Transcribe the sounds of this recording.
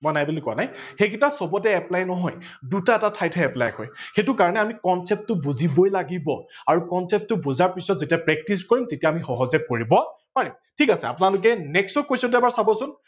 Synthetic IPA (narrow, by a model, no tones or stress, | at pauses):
mɔjnajbulikɔanajxekitasɔbɔtɛɛplajnɔɦɔjdutaɛtatʰajtʰɛɛpla̰jkɔ̰jxetʊkaɹɔnɛamikɔnsɛp̚tːʊbuzibɔjlaɡibɔaɹukɔnsɛp̚tʊbuzaɹpisɔt̚zetiapɹɛk̚tiskɔɹimtetijaːmixɔɦɔzɛkoɹibɔ | paɹim | tʰikasɛ̰a̰pʊnalʊk̬ɛnɛksɔkːojsɔtɛbaɹsabɔsʊn